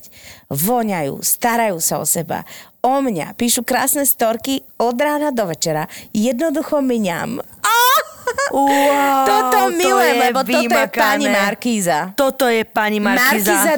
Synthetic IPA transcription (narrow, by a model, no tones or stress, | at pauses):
ʋɔɲajṵːst̪aɾajuːsaɔ̰sɛba̰ | ɔmɲa̰piːʃukɾaːsnɛst̪ɔɾki | ɔd̪ɾaːnad̪ɔʋɛt͡ʃɛɾajɛd̪nɔd̪uxɔmɲa̰m | a | ɔt̪ɔmilɛmlɛbɔt̪ɔɔjɛkpaɲimaɾkiːzat̪ɔt̪ɔjɛpaɲimamaiɾkziːza